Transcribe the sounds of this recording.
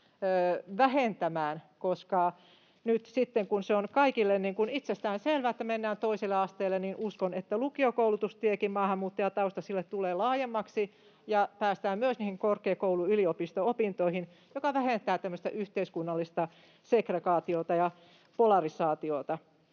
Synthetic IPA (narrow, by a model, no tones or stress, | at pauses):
øːʋæhent̪æmæːnkoskɑ | nyt̪sit̪ːeŋkunseonkɑikilːenniŋkunit̪sest̪æːnselʋæet̪ːæmenːæːnt̪oisilːeɑst̪eːlːeninuskonet̪ːælukiokoulut̪ust̪iekimmɑːhɑmːuːt̪ːɑjɑt̪ɑust̪ɑsilːet̪t̪uleːlɑːjemːɑksi | jɑpæːst̪æːmyøsniːhiŋkorkˑeːkouluyliopist̪oopint̪oihin | jokɑʋæhent̪æːt̪æmːøst̪æ̰ʔyht̪eiskunːɑlːist̪ɑ | sekrekɑːt̪iot̪ɑjɑ | polɑrisɑːt̪ioˑt̪ɑ